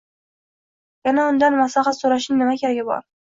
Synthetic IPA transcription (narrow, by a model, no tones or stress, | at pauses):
janaʊnd̪anmasaχat̪soɾaʃɪŋnɪmakʲʰaɾɡʲabɒ̰ɾ